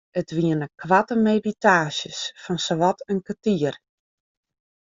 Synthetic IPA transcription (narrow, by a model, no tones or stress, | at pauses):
ətʋiənəkʰʋatəmeditaːsjəsfɔnsoʋɔtʰənkatiər